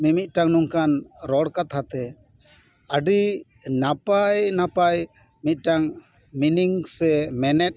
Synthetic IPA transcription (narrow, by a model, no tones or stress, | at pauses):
mimit̪̚ˀʈaŋnuŋkanɾɔɽkat̪ʰat̪ɛ | əɖi | napajnapaj | mit̪̚ˀʈaŋ | miniŋsɛmɛnɛt̪̚ˀ